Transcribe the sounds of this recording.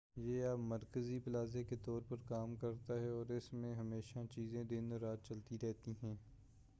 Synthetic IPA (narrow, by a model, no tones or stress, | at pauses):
jeːaːpmɐɾkəzipɪlaːzeket̪ɔːɾpɐɾkaːmkɐɾt̪aɦɛɔːɾɪsmẽɦɐmeːʃat͡ʃiːzẽd̪ɪnɔɾaːt̪̚t͡ʃɐlt̪iɾɛɦt̪iɦɛ̃ː